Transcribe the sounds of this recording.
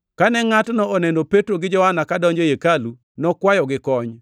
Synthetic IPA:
kanɛŋatnɔːnɛndopetɾoɡɪd͡ʒɔhanakadɔɲd͡ʒojekalu | nɔkwajɔɡɪkɔɲ

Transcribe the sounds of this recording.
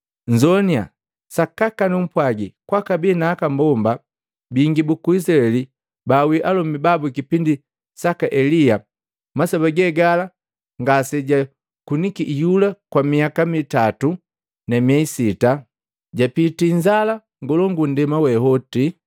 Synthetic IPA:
ɲd͡ʒɔnia̰ | sakakanum̩pwaɡikwakabɛnaːkambɔmba | biŋɡibukuis̬laɛli | bawiʔalɔmibabukipindi | sakaʔɛlija | masabaɡɛɡala | ŋɡasɛɟa | kunikiʔjulakwamiakamitatu | namiaisita | ɟapitiɲd͡ʒala | ŋɡɔlɔŋɡun̩dɛmawɛhɔti

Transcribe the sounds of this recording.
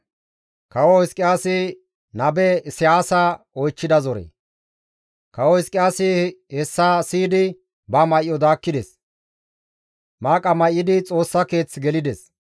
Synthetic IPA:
kɐwɔhɪskʼːɪjaːsɪ | nɐbɛsɪjaːsa | ɔjt͡ʃːɪd̪ɐzɔɾḛː | kɐwɔhɪskʼɪjaːsɪhɛsːaːsiːd̪ɪ | bɐmɐjːɔd̪aːkːɪd̪ɛs | maːkʼːɐmɐjːɪd̪ɪt͡sʼo̞ːsːɐke̞ːt͡sːɡɛlɪd̪ɛs

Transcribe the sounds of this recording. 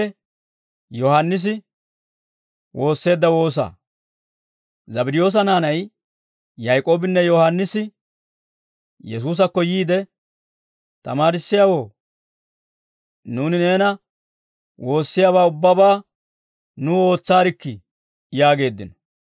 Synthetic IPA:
ɛ | jɔhɐnːɪs̬ɪ | wo̞ːsːe̞ːd̪ːɐwo̞ːs̬a̰ː | zɐbɪd̪ɪjo̞ːs̬ɐnaːnɐj | jɐjkʼoːbɪnːɛjɔhɐnːɪsɪ | jɛs̬uːs̬ɐkːɔjiːd̪ɛ | t̪ɐmaːɾɪsːɪjaːwo̞ː | nuːnɪne̞ːnɐ | wo̞ːsːɪjaːβaːʊbːɐbaː | nuo̞ːt͡sːaːɾɪkːɪ | jaːɡe̞ːd̪ːɪnɔ

